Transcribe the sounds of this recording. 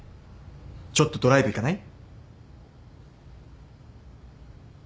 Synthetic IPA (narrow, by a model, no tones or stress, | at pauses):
t͡ɕo̞t̪ːo̞d̪o̞ɾaibɯ̟ikanai